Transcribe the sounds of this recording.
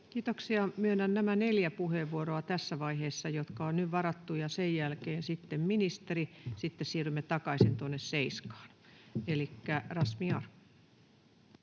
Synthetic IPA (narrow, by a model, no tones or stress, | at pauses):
kiːt̪oksiɑmyøenːænnæmæneljæpuheʋːuoɾoɑt̪æsːæʋɑiheːsːɑjot̪kɑonnyʋʋɑɾɑt̪ːujɑsejjælkeːnsit̪ːemminist̪eɾisit̪ːessiːrymːet̪ɑkɑisint̪onːesseiskɑ̥ːnelikːærɑsmiɑru̥